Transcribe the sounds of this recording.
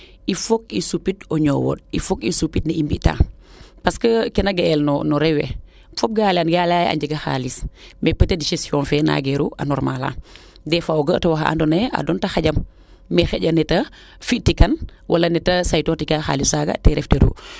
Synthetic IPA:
ifok̚isupitoɲɔwo̰difokisupit̚nɐimbiʔta̰ː | paskəkɛnɐɡɐɛlnɔnɔɾɛwɛ̰ | fɔp̚ɡaːlanɡalaja̰ɲɟəɡɐxa̰ːlismɛpətːediʃɛsjɔːnfɛna̰ɡɛɾuʔa̰nɔɾmala̰ː | dɛfaoɡətɐwaxaʔa̰ndɔnɐa̰dɔntɐxaɟɐmː | ɛxɛɟɐnɛtɐ | fiʔtikɐnwʔalɐnɛtɐsajtotikaxa̰lisaɡɐ̰tɛɾɛfteɾṵ

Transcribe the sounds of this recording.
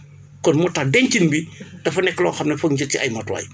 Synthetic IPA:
kɔnmɔtːadɛɲt͡ʃinbid̥ɐfɐnɛkːəlɔːxɐmnɐfɐŋd͡ʒəkːiɐjmɐtwa̰j

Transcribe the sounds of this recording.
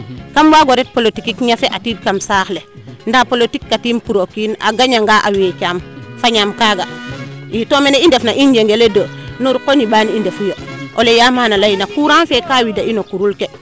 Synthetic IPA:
kambaɡoɾet̚polotikikɲafeʔatiːd̚kamsaːxlendapolotikːatiːmpuɾokina̰ɡaɲaŋɡaʔawekamfaɲamkaːɡaitomeneindefnaʔind͡ʒeŋɡeledonuɾkoniɓaːnindefujaʔolejamanalajinakuɾanfekawidainokuɾulke

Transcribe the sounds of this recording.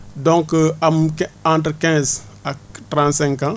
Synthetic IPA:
dɔ̃ŋkːɐmkãntɾkɛ̃ːz | aktɾãːntsɛ̃ŋkːã

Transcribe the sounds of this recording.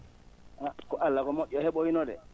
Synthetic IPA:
ʔakɔʔalːakɔmɔʔːɔhɛɓɔinɔdɛ̰

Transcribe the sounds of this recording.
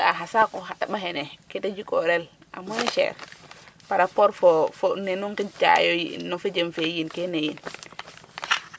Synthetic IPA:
aɦasakɔɦatːaɓaɦɛnɛketad͡ʒikɔɾɛl | ʔa̰muneʃɛ̰ɾpaɾapɔɾfɔfonenuŋkint͡ʃa̰jojḭnːɔfed͡ʒemfejinkenejin

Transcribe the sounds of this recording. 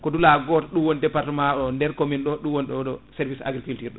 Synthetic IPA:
kɔdulaɡɔːtɔɗumwɔnidɛpaɾtɛmaɗɔndɛɾkominɗɔɗumwɔnɗɔɗɔsɛɾvisa̰ɡɾifiltiɾɗɔ

